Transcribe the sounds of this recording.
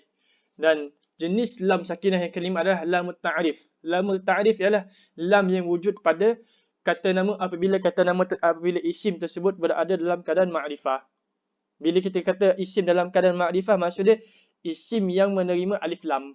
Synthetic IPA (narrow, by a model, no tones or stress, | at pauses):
dan | d͡ʒənɪslamsakinahjaŋkəlimaːdalahlamut̪aʔɾɪf | lamət̪aʔɾɪfijalah | lamjaŋwud͡ʒut̪̚pada | kat̪anãməʔapabilakat̪anãmãapabilaʔisɪmt̪ərsəbʊt̪̚bəɾa̰dadalamkadaanmaʔɾifah | bilak̬it̪akat̪aʔisɪmdalamkadanmaʔɾifahmasudə | isɪmjaŋmə̃nəɾimãʔalɪflam